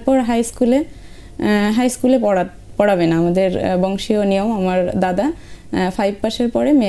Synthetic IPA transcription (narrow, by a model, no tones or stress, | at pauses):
ɾpɔɾɦajskule | ɦajskulepɔa | pɔɽabenaamad̪eɾbɔŋʃionijomamaɾd̪ad̪afʰajb̚paʃeɾpɔɾeme